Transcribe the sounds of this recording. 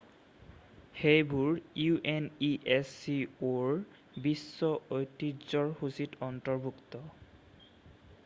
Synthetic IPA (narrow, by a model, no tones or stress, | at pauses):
xejbuɹjuʔeniʔesioɹ | bisːɔojtːizɔɹxusitɔntɔɹbʱuktɔ